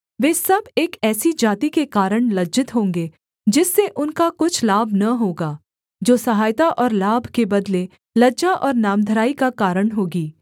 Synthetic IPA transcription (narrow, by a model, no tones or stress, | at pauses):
ʋeːsɐbeːkɛːsid͡ʒaːt̪ikekaːɾəɽ̃lɐd͡ʒɪt̪ɦõːŋɡeː | d͡ʒɪsːeʔʊnkakʊt͡ʃʰlaːbʱnɐɦoːɡaː | d͡ʒoːsɐɦaːjt̪aʔɔːɾlaːbʱkebɐd̪le | lɐd͡ʒaʔɔːɾnaːmd̪ʱəɾaːikakaːɾəɽɦoːɡiː